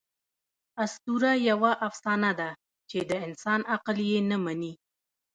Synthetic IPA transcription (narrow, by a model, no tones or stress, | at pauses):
ast̪uɾajawaʔafsɑnad̪a | t͡ʃed̪əɪnsɑnaqljenəmani